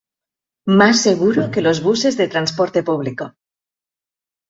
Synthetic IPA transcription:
masːe̞ɣ̞uɾoke̞lo̞zβuse̞zðe̞t̪ɾanspoɾt̪e̞puβ̞liko

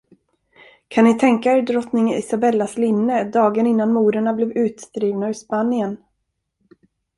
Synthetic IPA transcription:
kʰanːɪt̪ʰɛŋkaɛɖɾɔt̪nɪŋɪsabɛlːaslɪnːəd̪ɑːɡənɪnːanmuːɾəɳablɛːvʉ̟ːt̪st̪ɾiːvnaɵspanɪən

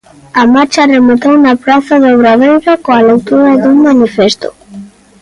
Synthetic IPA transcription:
amaɾt͡ʃɐremot̪ownapɾaθaðoβɾaðejɾakoalekt̪uɾaðuŋmanifest̪o̰

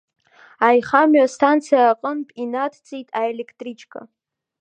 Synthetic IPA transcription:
ajχamɥastʰant͡sʰijaːqʼənpʼinatʰt͡sʼijtʼaelekʰtʼrit͡ʃʰʼkʰʼa̰

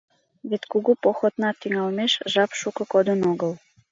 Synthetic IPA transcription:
βet̪kuɣupoxot̪nɑt̪ːyŋɑlmeʃʒɑpʃukə̆kod̪ənoɣəl

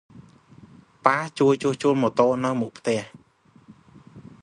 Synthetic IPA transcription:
paːht͡ɕuəjt͡ɕuəht͡ɕuəlmɔt̪oːʔnɨwmuk̚pʰt̪ɛ̆əh

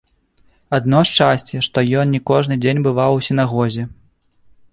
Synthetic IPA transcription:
ad̪̚nɔʂt͡ʂasʲt͡sʲɛʂt̪ɔjɔnnʲikɔʐnɨd͡zʲenʲbɨvawsʲin̪aɣɔzʲɛ

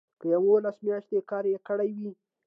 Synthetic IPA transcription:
kəjawolasmjɑʃt̪ekɑɾjekəɽajwi

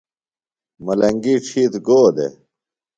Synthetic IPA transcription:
mɐlɐŋɡiʈ͡ʂʰit̪ɡoːd̪ḛ

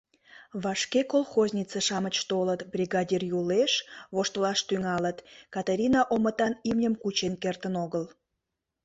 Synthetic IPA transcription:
βɑʃkekolxozʲnʲit͡seʃɑmət͡ɕt̪olət̪brʲiɣɑdʲirjuleʃβoʃt̪əlɑʃt̪yŋɑlət̪kɑt̪aɾʲinɑʔomət̪ɑnimnʲəmkut͡ɕenkert̪ənoɣəl

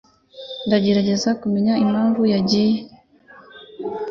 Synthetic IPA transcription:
ndaɟe̞ɾaɟe̞zakumeɲaimaːɱvujaɟije

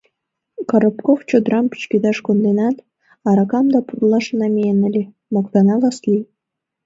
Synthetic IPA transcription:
kɑɾŏpkoft͡ɕod̪ɾɑmpi̥t͡ɕkʲed̪ɑʃkond̪enɑt̪ | ɑɾɑkɑmd̪ɑpurlˠɑʃɤ̆nɑmʲeenɘ̆lʲe | mokt̪ɑnɑlɑslʲij

